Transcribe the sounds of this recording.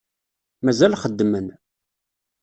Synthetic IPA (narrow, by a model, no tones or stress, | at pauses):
mæzælχəd̪ːmən